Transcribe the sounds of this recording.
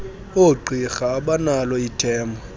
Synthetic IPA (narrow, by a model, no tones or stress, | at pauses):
oǃʱixaːɓanalɔitʰʼɛːmbʱɔ